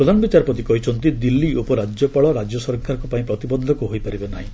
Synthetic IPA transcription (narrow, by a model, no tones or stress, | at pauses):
ɾɔd̪ʱanɔbit͡ʃaɾɔpɾɔt̪ikɔɦit͡ʃʰɔnt̪id̪ilːiʔopɔɾad͡ʒjɔpaɭɔɾad͡ʒjɔsɔɾkaɾɔ̃kɔpaĩpɾɔt̪ibɔd̪ʱːɔkuɦojpaɾibenaɦĩ